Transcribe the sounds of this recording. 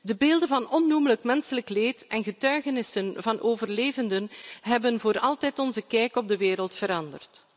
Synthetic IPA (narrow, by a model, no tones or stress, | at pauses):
dəbeːlˠdənvɑnɔnːumələkmɛnsələkleːtɛnɣətœɥɣənɪsənvɑnʔoːvərleːvəndənɦɛbənvoːɾɑlˠtɛtɔnzəkɛːkɔb̚dəʋeːɾəlˠtfəɾɑndərt